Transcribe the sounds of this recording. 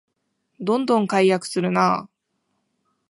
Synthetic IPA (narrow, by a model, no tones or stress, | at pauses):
d̪õ̞nd̪õ̞ŋkaijakɯ̟̥sɨɾɯ̟naː